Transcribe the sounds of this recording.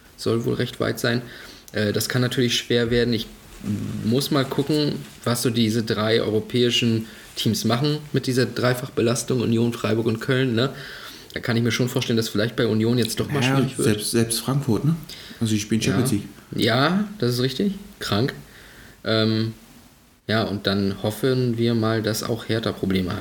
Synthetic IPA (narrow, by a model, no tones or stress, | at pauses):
z̥ɔlvo̰ːlʁɛçtv̥a̰ɪtz̥aɪn | ʔɛːdaskʰanːatʰyːɐlɪçʃv̥eːɐveːɐdn̩ɪç | mʊsmaːlkʰʊkŋ̩vasz̥oːdiːzədʁaɪʔɔ̰ʏʁopʰɛːɪʃn̩ | tʰiːmsmaχn̩mɪt̚d̥iːzɐdʁaɪfaχəbəlastʊŋʊ̰njoːnfʁ̥aɪbʊɐkʊntkʰœlnːə | d̥aːkʰanɪçmiːɐʃoːnfoːɐʃtɛləndasfɪlaɪçt̚b̥aɪunjoːnjɛt͡std̥ɔχmmaːʃviːʁɪçv̥ɪzɐɛlpstz̥ɛlpstfʁ̥aŋkfʊɐtnəʔalzoɪʃpiːlnt͡ʃjɛaːsliːkjaːd̥asɪs̬tʁɪçtɪçkʁ̥aŋk | ʔɛːm | jaːʔʊnt̚d̥anhɔfənviːɐmaːldasa̰ʊxheːɐtɐpʁ̥obleːməhat